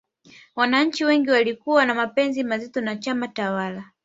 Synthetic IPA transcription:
wanaɲ̩t͡ʃiwɛŋɡiwalikuwanamapɛnzimazitɔnat͡ʃamatawala

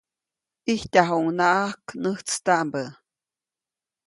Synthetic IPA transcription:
piht̪aɦoŋnaʔahknəht͡st̪aʔmbə

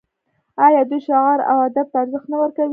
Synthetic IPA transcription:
ɑjɑd̪ujʃɑɣɑɾa̰wad̪ab̚t̪aːɾzəxt̪nawəɾkawi

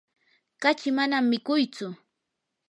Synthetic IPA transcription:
kat͡ʃɪmanamːɪkʊjt͡sʊ

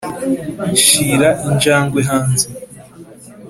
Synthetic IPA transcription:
ʃiːɾaʔiɲd͡ʒaːŋɡweɦaːnze

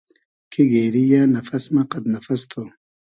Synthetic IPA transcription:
kʰiɡeːɾijaːnɐfɐsmɐqɐd̪nɐfɐst̪ʰo

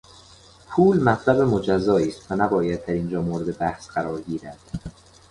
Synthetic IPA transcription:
pʰuːlmæt̪ʰlæbemod͡ʒæzːɒːiːst̪vænæbɒːjæd̪̚d̪æɾiːnd͡ʒɒːmoːɾed̪e̞bæhsɢæɾɒːɾɡiːɾæd̪̥

